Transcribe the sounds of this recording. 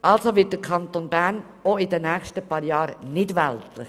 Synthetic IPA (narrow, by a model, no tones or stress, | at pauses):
ʔɑlsoʋɪt̚d̥əkʰɑnt̪onbæɾn | oɪdənɛːxʃtəpɑːɾjɑːɾnɪdʋɛltlɪ̰χ